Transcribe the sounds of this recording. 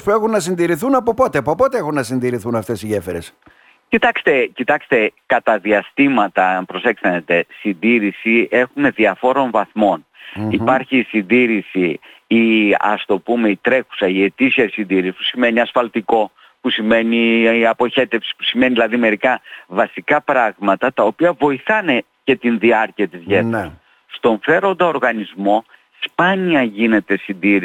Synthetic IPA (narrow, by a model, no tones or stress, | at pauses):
spue̞xunːɐsind̪iɾiθunɐpopo̞t̪eɐpopo̞t̪eexunːɐsind̪iɾiθunɐft̪e̞siʝe̞feɾes | cit̪ɐkst̪e̞cit̪ɐkst̪e̞kɐt̪ɐðiɐst̪imɐt̪ɐpɾo̞se̞ksθɐnet̪e̞sind̪iɾisie̞xume̞ðiɐfo̞ɾo̞ɱvɐθmo̞n | ipɐɾçisind̪iɾisiiɐ̰st̪o̞pume̞it̪ɾe̞xu̥sɐie̞t̪isiɐsind̪iɾisi̥pu̥sime̞niɐsfɐlt̪iko̞ | pusime̞niɐpo̞çe̞t̪e̞fsi̥pu̥sime̞niilɐðime̞ɾikɐvɐsikɐpɾɐɣmɐt̪ɐt̪ɐo̞piɐvo̞iθɐne̞ | ce̞t̪inðiɐɾciɐt̪izʝet̪ɾɐs | st̪o̞ɱfe̞ɾo̞nd̪ɐo̞ɾɣɐnizmo̞ | spɐniɐʝine̞t̪e̞sind̪iɾ